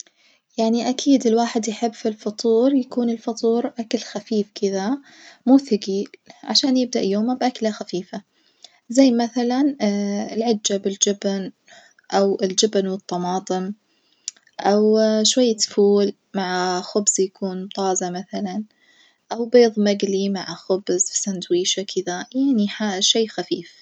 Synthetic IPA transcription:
jaʕniʔakʰiːd̪ɪlwaːħɪd̪jħɪbːfilfɑt̪ˤuːɾjakuːnɪlfɑt̪ˤuːɾʔakalxafiːfkʰɪða | muːθaɡiːlʕa̰ʃaːnjɪb̚d̪aʔjoːmabʔaklaxafiːfa | zajːmaθalanɪlʕɪd͡ʒːabɪld͡ʒɪbn | ʔawɪld͡ʒɪbnwɨt̪ˤːɑmɑːt̪ˤɨm | ʔawʃwajːat̪fuːl | maʕaxʊbzjakʰuːnt̪ˤɑːzamaθalan | ʔawbeːðˤmaɡlimaʕaxʊbzfisand̪wiːʃakʰɪðajaʕniħaʃeːxafiːf

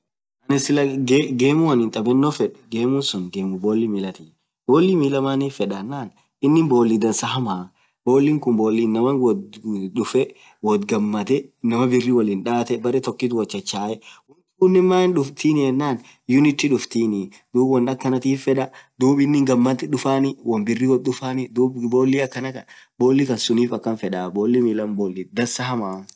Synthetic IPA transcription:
ʔɐnɪsɪlɐɡɡeːmʊwɐnɪnt̪ʼɐbɛnːoːfɛᶑɛ̥ɡeːmʊnsʊnɡeːmʊboːlːimilɐt̪iː | boːlːimiːlɐmaːniːfɛᶑɐnːaːn | ɪnːɪnboːlːɪd̪ɐnsɐɦɐmaː | bo̞ːlːiŋkʊmboːlːiːnːɐmɐwɔᶑʊfɛ | wɔt̪ɡɐmːɐt̪ɛnɐmɐbɪrːiwɐlinᶑaːt̪ɛbɐɾɛt̪ɔkːit̪wɐt͡ʃːɐt͡ʃːaːjɛwn | ʊnːɪmaːɪnᶑʊft̪iːnɪjɛnːaːn | jʊnɪt̪ːɪᶑʊft̪iːnɪ | d̪̥uːbwɐnɐkːɐnɐt̪iːfːɛᶑɐd̪uːbɪnːɪŋɡɐmːɐt̪ɪᶑʊfaːnɪwɐnbɪrːiwɐɗʊfaːnɪd̪uːbboːlːiɐkːɐnɐkɐ | bo̞ːlːɪkɐnsʊniːfɐkːɐnfɛᶑaːboːlːɪmɪlɐmboːlːɪd̪ɐnsɐɦɐma

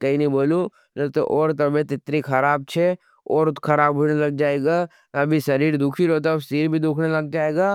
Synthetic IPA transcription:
kɐɦinɐĩboːlu | nɐt̪o̰ʔɔːɾt̪ɐbẽt̪ɪt̪ɾixɐɾaːb̚t͡ʃʰe | ɔːɾkʰɐɾaːbɦʊd͡ʒnelɐɡ̚d͡ʒaːeːɡaː | ɐbʱisɐɾiːɾd̪uːkʰiɾoːt̪̬asiːɾbʱid̪uːkʰnelɐɡ̚d͡ʒaːeːɡaː

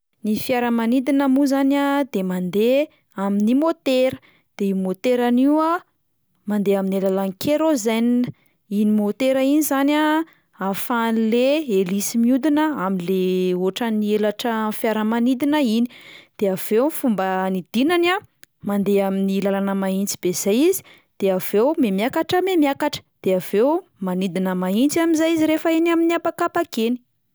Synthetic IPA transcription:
nifjaɾəmanid̪inəmuzanad̪emand̪e | aminimot̪eɾə̥ | d̪̥eimot̪eɾaniwə | mand̪eaminelalanikʰeɾozaninə | inimot̪eɾəinizana | afanleelisimiud̪inəaminleoʈ͡ʂənielaʈ͡ʂəfjaɾəmanid̪inəini̥d̪̥eav̥ewfumbənid̪̥inanamand̪eaminilalanəmaint͡si̥b̥ez̥ajizi̥ | d̪̥eav̥ewmemjakaʈ͡ʂəmemjakaʈ͡ʂə̥d̪̥eav̥ewmanid̪inəmaint͡siamizajiziɾefəinaminiapakapakeni̥

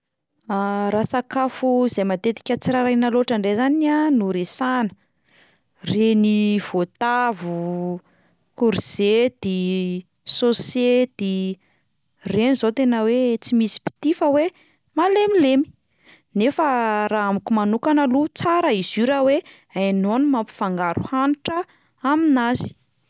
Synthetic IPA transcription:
aɾasakafuizejmat̪et̪i̥kʲət͡siɾaɾajnaloʈ͡ʂaɳɖ͡ʐezananuɾesanə̥ | reniv̥ot̪avu | kuɾiz̥ed̪̥e | sosed̪̥e | renizot̪enəwet͡simisi̥pi̥t̪ifəwe | malemilemi̥ | nefəɾaambikumanukanəlut͡saɾəiziɾəwe | anonmampi̥faŋɡaɾʔuhaniʈ͡ʂə | aminazi̥

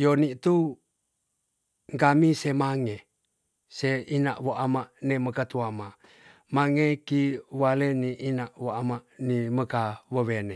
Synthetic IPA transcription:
jonit̪u | ŋkamisemaŋe | seinaʔwoʔamaʔneməkat̪uama | maŋekiwaleniʔːnaʔwoʔamaʔniməkaβəwene

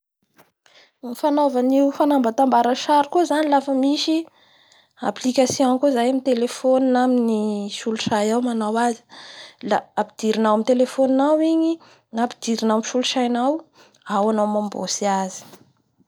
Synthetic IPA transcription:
nifanovaniufanambat̪ambaɾaʃaɾikuzanilafəmiʃi | a̰plikasjõkozajamit̪elefoninaminiʃuluʃajawmanawazi̥laapid̪̥iɾinawamit̪elefoninawiɲi | napid̪iɾinawmʃuluʃajnaw | awanawmambo̰siazi̥

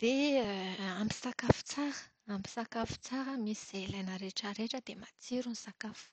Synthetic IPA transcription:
d̪̥e | ambi̥sakafu̥t͡saɾə̥ | ambi̥sakafu̥t͡saɾəmisiz̥elajnəɾeʈ͡ʂəɾeʈ͡ʂəd̪emat͡siɾunisakafu̥

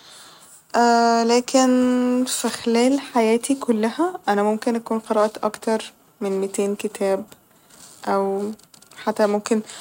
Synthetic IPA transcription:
ʔæːlæːkʰenfixlæːlħajæːt̪ikʰolːæhæʔænæmomkenʔækuːnqɑɾˤɑʔt̪ʔɑkt̪ɑɾˤ | menmet̪eːnket̪ʰæːb̚ | ʔæw | ħat̪ːæmomken

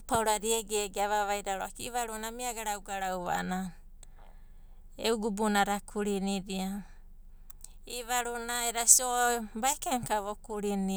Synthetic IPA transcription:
pawɾaɾieɡeɡeaβaβajɾaɾoakiβaɾunamiaɡaɾawɡaɾawβa̰na | euɡubunaɾakʰuɾiniɾia | iβaɾunaeɾasiobaikeŋkaβokuɾini

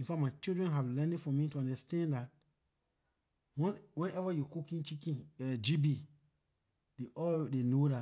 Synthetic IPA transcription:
ĩnfatmaɪt͡ʃildɹɛ̃nɦavlɛ̃nefɔmituãndəstãndat̚ | wɔ̃nwɛ̃nɛvajukukĩnt͡ʃikĩnɛd͡ʒibi | d̥eʔɔdenoda

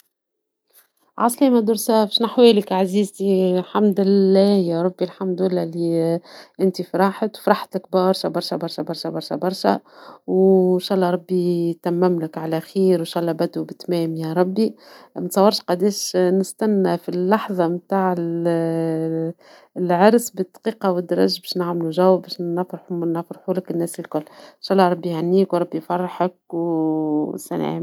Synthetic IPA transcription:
ʕɑ̰sˤlimæd̪ʊɾsæfʃnaħwɛːlɪkʕaziːzt̪ilħamd̪ɪlːæːjæɾˤɑbːilħamd̪ɪlːæːliʔɪnt̪ifɾˤɑːħət̪wfɾˤɑħt̪lɪk̚bɑɾˤʃæbɑɾˤʃæbɑɾˤʃæbɑɾˤʃæbɑɾˤʃæ̰bɑɾˤʃæ̰wʃɑːʔlˤːɑɾˤɑbːit̪æmːæmlɪkʕalæxiːɾwnʃɑʔlːɑbæd̪ubɪt̪mɛːmjæɾˤɑbːimt̪sˤɑwːɑɾˤʃqɑd̪iːʃnɪst̪ænːæfilːɑħðˤɑmt̪aːʕɪl | lʕɑɾsbɪd̪qiːqɑwɪd̪ːɑɾˤɑ̰ʒbɛʃnaʕmluʒæwːæbɛʃnfɾħnɑfɾˤħulɪkɪnːɛːsɪlkʊlːʃæʔlːɑɾˤɑbːihanːiːkwɾˤɑbːifɑrˤːɑħək̚w | sæ̰nḛːm

